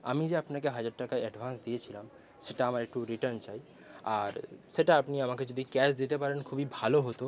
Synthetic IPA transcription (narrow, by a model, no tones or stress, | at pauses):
a̰mid͡ʑeapnakeɦad͡ʑaɖʈakaʔɛɖbʱansd̪ijet͡ɕʰilam | ʃeʈaamaɾek̚ʈuɾiʈəɾnt͡ɕaj | aɾʃeʈaapniamaked͡ʑod̪ʱikɛsd̪it̪epaɾenkʰubibʱaloɦot̪o